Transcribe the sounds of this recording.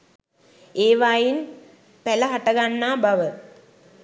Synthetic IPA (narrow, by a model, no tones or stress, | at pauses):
eːʋaːjin | pæləɦaʈəɡanːaːbaʋə